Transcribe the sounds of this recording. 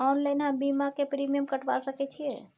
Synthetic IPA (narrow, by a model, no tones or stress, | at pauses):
ɔnlənɦãbimakepɾimijəmkəʈʋa̰lsəkɛt͡ʃʰijɛ